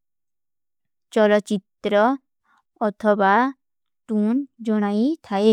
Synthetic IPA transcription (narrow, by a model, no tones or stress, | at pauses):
t͡ʃɔlotːt͡ɕit̪ɾɔ | ɔt̪ʰɔba | t̪und͡ʒɔɽ̃ait̪ʰae